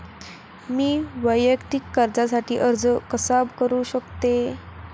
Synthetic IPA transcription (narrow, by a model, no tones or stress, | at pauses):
miːʋəjːəkt̪ikːəɾd͡zasaʈʰiːʔəɾd͡zkəsabkəɾuːɕəkt̪e